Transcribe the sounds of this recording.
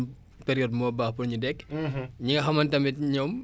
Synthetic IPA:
peɾijɔd̚mɔːbahpunɲudɛkɲiŋɡɐxɐmɐntɐmitɲɔm

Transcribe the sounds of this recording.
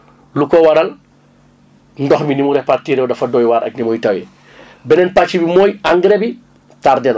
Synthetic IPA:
lukɔwɐɾɐl | ndɔxminimuɾɛhpartiːɾɛwdɐfɐdɔːjwaːɾʔɐ̰k̚nimɔːjtɐwɛ | bɛnɛnpat͡ʃːibimɔːjaŋɡɾɛbi | taːɾdɛnɐ

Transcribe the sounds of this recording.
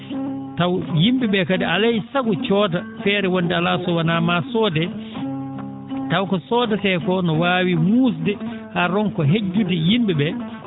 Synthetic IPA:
tawjimbɛɓɛkadialajsaɡut͡ʃɔːda | fɛːɾɛwondɛalasɔwanaːmasɔːdɛ | tawkɔsɔːdasɛjkɔnɔwaːwimuːsdɛ | haɾɔnkɔɦed͡ʒːudɛjimɓɛɓɛ

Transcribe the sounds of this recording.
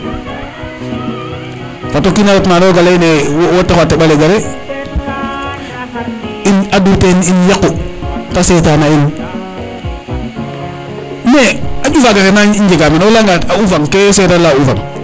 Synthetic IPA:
fatokinaɾotnadoɡalainewotːakatːeɓaleɡaɾe | inaduteninjakːotasetaːnain | nead͡ʒufaɡaɾenaiɲd͡ʒeɡamenolaŋɡatauvaŋkesetalaufa̰ŋ

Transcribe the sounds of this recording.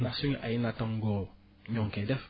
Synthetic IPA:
nasuɲʔajinataŋɡo | ɲɔŋkɛdɛf

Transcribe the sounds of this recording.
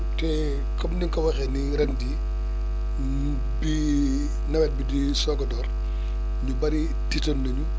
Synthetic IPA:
tɛ | kɐmniŋkɐwɐxɛniɾɐndi | bi | nɐwɛt̚bidi | sɔɡɔdɔːr | ɲubɐɾi | titɐnlɐɲu

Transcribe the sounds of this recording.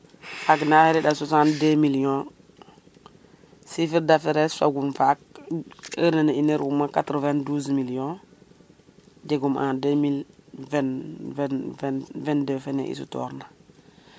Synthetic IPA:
faknaheɾiɗasosandemiljɔ̃ | sifiɾdafeɾɛssa̰ɡumfak̚ | əɾnanaineɾumakatɾovɛnduːsmiljɔ̃ | d͡ʒeɡumʔa̰ndemilvɛn | vɛndefenḛʔḭsṵtɔ̰ɾna

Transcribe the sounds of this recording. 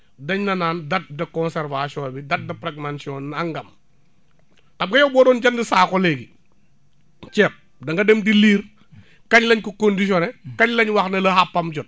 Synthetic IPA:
dɐɲnɐnaːndɐt̚dɐkɔnsɛɾvasɔbidɐt̚dɐpɾɛɡmansiɔnːaŋɡɐm | kɐm̚ɡɐjɔbɔːdɔːnd͡ʒɐndisaːkɔleɡi | t͡ʃɛp̚ | dɐŋɡɐdemdiliːɾ | kɐɲlɐɲkukondiʃ̬ɔnɛkɐɲlɐɲwɐxnɐlɐhapːɐmd͡ʒɔt̚

